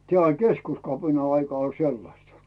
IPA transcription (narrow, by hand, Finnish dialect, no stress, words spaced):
tĕæˑ olʲ keskuskɑpinɑ ɑikɑ olʲ selːɑstɑ